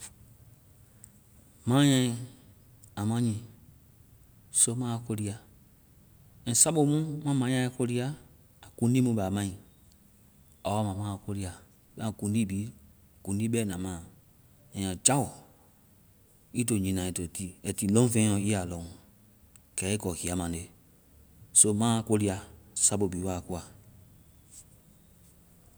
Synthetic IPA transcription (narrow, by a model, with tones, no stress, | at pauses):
mã˨˦ɲã˧ĩ˨ | a˨mã˦ɲĩ˨ | so˦mãː˦˨ko˧ɾi˧a˨ | ɛ̃˨˦sa˦ɓo˧˨˦mũ˦mã˦mã˨˦ɲã˧˦i˦ko˧ɾi˦aː˦˨ | kũ˦di˦mũ˧˦ɓa˨mã˦ĩ˨ | a˨wa˦mã˨mãː˦˨ko˧ɾi˧˦a˨˦ | ɓã˦˨kũ˨˦diː˦biː˨˦ | kũ˨n˦di˦ɓɛ˦nã˨mãː˨ | ɛ̃˨ã˨d͡ʒa˦wɔ˨ | i˦t̬o˨ɲĩ˨nã˨i˨to˨tiː˦ɛ˨ti˨lɔ̃˦fẽ˦ɔ̃˧˨i˦a˨lɔ̃˨ŋ | kɛ˨˦i˦kɔ˨hi˨a˨˦mã˨de˨ | so˦mãː˦ko˧li˦a˨sa˦ɓo˨biː˨˦wa˦˨ku˦a˨